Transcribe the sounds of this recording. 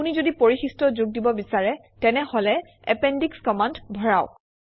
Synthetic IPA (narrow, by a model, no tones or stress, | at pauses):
unizodipoɹixistɹɔzʊɡ̚dibɔbisaɹɛ | tɛnɛhɔlɛ | ɛpɛndikskɔmandbʱɔɹaʊ